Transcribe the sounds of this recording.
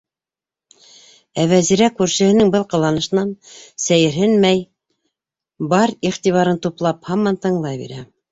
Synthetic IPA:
æwæziɾækʉɾʃɘ̆hɘ̆nɘŋbɤlˠqɤ̆lˠɑnɤ̆ʃɤ̆nɑnsæjɘ̆ɾɦɘnmæj | bɑɾiχt̪iβɑɾɤnt̪uplˠɑphɑmːɑnt̪ɤ̆ɴlˠɑjbḭɾæ̰

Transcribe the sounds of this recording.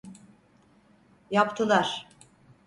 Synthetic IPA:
japt̪ʰɯlˠaɾ̥

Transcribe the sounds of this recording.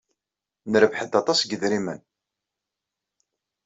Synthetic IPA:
nəɾəvħəd̪ɑt̪ˤɑsɡəðɾimən

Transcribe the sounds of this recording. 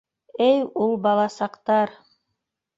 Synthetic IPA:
ɘjulˠbɑlˠɑsɑqt̪ɑɾ

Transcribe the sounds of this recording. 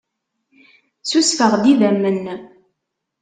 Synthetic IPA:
susfəʁd̪iðæmːənː

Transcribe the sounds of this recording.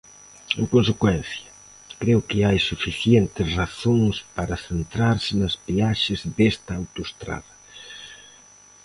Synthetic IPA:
ḛ̃ŋkõnsekwɛn̟θjɐ | kɾeʊkɪajsufiθjent̪ɪsraθoŋspaɾɐθent̪ɾaɾsɪnɐzβiaʃɪzðest̪ɐawt̪oʊest̪ɾa̰ðɐ

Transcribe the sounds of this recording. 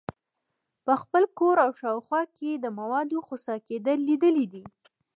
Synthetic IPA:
pəxpəlkoɾawʃɑwxwɑked̪əmawɑd̪oxosɑked̪əlːid̪əlid̪i

